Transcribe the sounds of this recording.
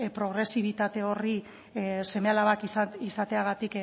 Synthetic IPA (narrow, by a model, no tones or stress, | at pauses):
pɾo̞ɣɾe̞siβ̞it̪at̪e̞o̞ri | se̞mealaβakiisat̪e̞aɣ̞at̪ik